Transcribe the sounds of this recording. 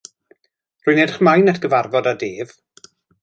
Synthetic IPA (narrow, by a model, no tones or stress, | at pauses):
rʊːjnedχmajnɛtʰɡ̥əvarvɔdadeːv̥